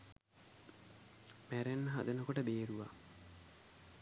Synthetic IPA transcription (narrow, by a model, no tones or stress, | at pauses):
mæɾenːəɦa̰d̪ɐnəkoʈəbeːɾuʋa